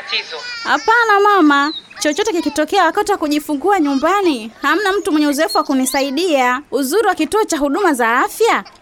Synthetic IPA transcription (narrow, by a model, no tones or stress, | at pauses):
ha̰panamamat͡ʃɔt͡ʃɔtɛkikitɔkɛawakatiwakuʄifuŋɡuaɲumbaniham̩nam̩tumwɛɲɛuzɔɛfuwakunisaiɗiauzuɾiwakituɔt͡ʃaɦuɗumazaafja